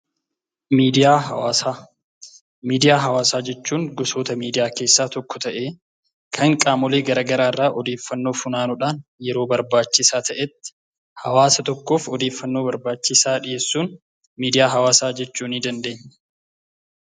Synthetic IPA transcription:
miːd̪ɪjaːa | miːd̪ɪjaːɦɐwaːsaːd͡ʒɛt͡ʃːuːŋɡɔso̞ːt̪ɐmiːd̪ɪjaːke̞ːsːaːt̪ɔkːɔt̪ɐʔeː | kʰɐŋkʼaːmɔleːɡɐɾɐɡɐɾaːrːaːʔɔd̪e̞ːfːɐnːo̞ːfʊnaːnʊᶑaːnjɛɾo̞ːbɐɾbaːt͡ʃːɪsaːt̪ɐʔɛt̪ːɪ̥ | hɐwaːsɐt̪ɔkːo̞ːfɔd̪e̞ːfːɐnːoːbɐɾbaːt͡ʃːɪsaːᶑɪjeːsːuːn | miːd̪ɪjaːɦɐwaːsaːd͡ʒɛt͡ʃːuːnid̪ɐnd̪e̞ːɲːɛ̥

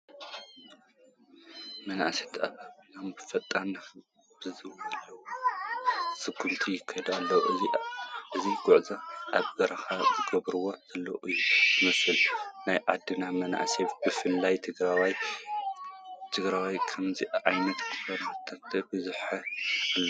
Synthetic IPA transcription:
mɐna̰set̪ʰaβanambɨfɐt̪ʼːɐn | b̥ɨzɨwɐlːɐw | sɨɡːumt̪ʰijɪkʰːɐjd̪alːɐwʔɨziʔɨziɡ̥ʊʕzɐʔa̰βɡɐɾɐxazɨɡɐβɾɨwoz̥ɐlːɐ̰ʔɨjːuzɨmɐsɨlnajʕad̪ːɨnamɐna̰ʔseb̥ɨfɨlːajt̪ʰɨɡɾwj | t̪ʰɨɡɾawajkʰɐmziʕajnɐt̪kɨfɐɾat̪ʰːɐt̪ʰːɐbɨzuħɐalːo

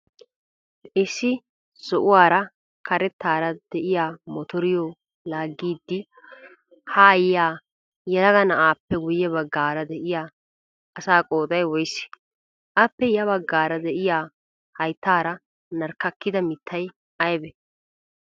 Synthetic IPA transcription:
ɪsːɪ | sɔʔʊwaːɾɐ | kʰɐɾɛt̪ːaːɾɐd̪̥ɛʔɪjaːmɔt̪ɔɾɪjoː | laːɡːiːd̪ːɪ | haːjjaː | jɛlɐɡɐnɐʔaːpːɛɡʊjːɛbɐɡːaːɾɐd̪ɛʔɪjaː | ɐsaːkʼo̞ːt̪ʼɐjwɔjsɪ̥ | ʔɐpːɛjɐβɐɡːaːɾɐd̪ɛʔɪjaː | hɐjt̪ːaːɾɐ | nɐɾkːɐkːɪd̪ɐmɪt̪ʰːɐj | ʔɐjbɛ

